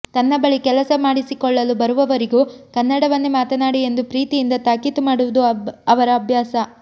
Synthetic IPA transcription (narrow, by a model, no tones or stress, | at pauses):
t̪ɐnːɐbɐɭikɛlɐsɐmaːɽisikɔɭːɐlubɐɾuʋɐʋɐɾiɡuːkɐnːɐɽɐʋɐnːumaːt̪ɐnaːɽie̞nd̪upɾiːt̪ijind̪ɐt̪aːkit̪umaːɽuʋud̪uɐʋɐɾɐːbʱjaːsɐ